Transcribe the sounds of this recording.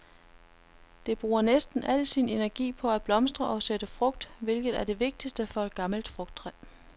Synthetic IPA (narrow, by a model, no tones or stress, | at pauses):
d̥e̝b̥ʁuːɐnesd̥n̩ʔæl̰sine̝næɐɡ̥ḭːpʰɒ̽æb̥lɒ̽msd̥ʁɐʔɒ̽sed̥əfʁɔ̽ɡ̥d̥ʋe̝lɡ̥ð̞̩ˠæɐd̥e̝ʋe̝ɡ̥̚d̥isd̥əfɒ̽ed̥̚ɡ̥ɑ̈ml̩d̥fʁɔ̽ɡ̥d̥ʰʁɛ